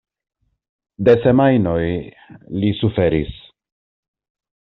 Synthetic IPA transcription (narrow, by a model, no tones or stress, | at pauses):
de̞se̞majno̞j | lisufe̞ɾḭs